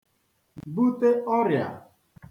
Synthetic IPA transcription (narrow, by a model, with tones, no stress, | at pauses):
bu˦t̪e˦ɔ˦ɾja̰˨